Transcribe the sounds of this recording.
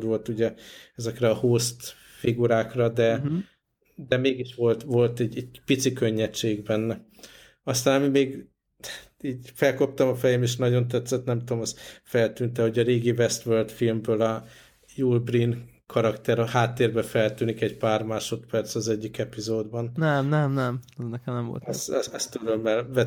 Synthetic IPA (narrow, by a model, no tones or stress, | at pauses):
d̪ʋo̞lt̪uɟɛɛzɛkrɛɒhoːst̪ | fiɡuɾaːkrɒd̪ɛ | d̪ɛmeːɡiʃʋo̞lt̪vo̞lt̪ɛɟɛɟ̚pit̪sikøɲːɛt͡ʃːeːɡbɛnːɛ | ɒst̪aːnɒmimeːɡ | iːɟfɛlko̞p̚t̪ɒmɒfɛjɛmeːʃnɒɟo̞nt̪ɛt̪sɛt̪nɛmt̪uomɛsfɛlt̪yːnt̪ɛho̞ɟɒɾeːɡivɛst̪ʋøːrt̪filmbøːlɒ | juːlbrin | kʰɒɾɒkt̪ɛɾɒhaːt̪ːeːrbɛfɛlt̪yːnikɛɟpaːrmaːʃo̞t̪pɛrt̪sɒzɛɟːikɛpizoːd̪bɒnnɛmnɛmnɛmznɛkɛmnɛmvo̰lt̪ɛsɛɛst̪yɾømːɛlvɛ